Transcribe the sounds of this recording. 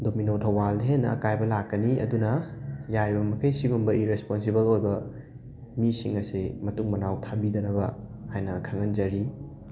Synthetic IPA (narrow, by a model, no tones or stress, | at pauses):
dominotʰɐwaldɦenːɐɐ̰kajbɐlakːɐniɐ̰dunɐjaɾibɐmɐkʰɐjsibɐmbɐiɾesponsibɐlojbɐ | misḭŋɐsimɐtuŋmɐnawtʰabidɐnɐβɐhajnɐkʰaŋɐnd͡ʒɐɾi